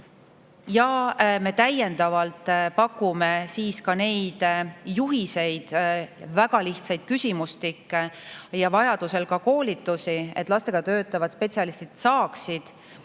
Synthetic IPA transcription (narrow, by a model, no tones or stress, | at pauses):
jɑme̞t̪æje̞nd̪̥ɑvɑlt̪ˑpɑkːˑume̞siːskɑne̞jd̪̥juɦise̞jd̪̥væɡ̥ɑliht̪sɑjd̪̥̚kysʲimust̪ikːejɑvɑjɑd̪̥use̞lkɑko̞ːlit̪ːˑusiḛt̪ːˑlɑst̪e̞ɡ̥ɑt̪ø̞ːt̪ːˑɑvɑt̪spe̞t̪ʲsiɑlist̪it̪sɑːksid̪̥